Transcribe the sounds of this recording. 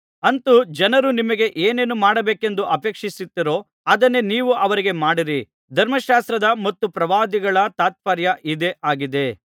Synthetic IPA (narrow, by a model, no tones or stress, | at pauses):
ɐnt̪ud͡ʒɐnɐɾunimɐɡe̞ʔeːne̞ːnumaːɽɐbeːke̞nd̪uʔɐpeːkʂisit̪ːiɾo̞ː | ɐd̪ɐnːe̞niːʋuʔɐʋɐɾiɡe̞maːɽiɾi | d̪ʱɐɾmɐʃaːst̪ɾɐd̪ɐmɐt̪ːupɾɐʋaːd̪iɡɐɭɐt̪aːt̪̚pɐɾjɐʔid̪e̞ʔaːɡid̪e̞